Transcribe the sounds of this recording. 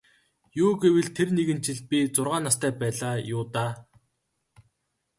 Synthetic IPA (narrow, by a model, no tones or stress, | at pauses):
juːɡewɘ̆ɮt̪ʰerneɣɘ̆nt͡ɕɪ̆ɮpʲit͡sʊrʁaːnːast̪ʰæːpæːɮaːjʊːt̪aː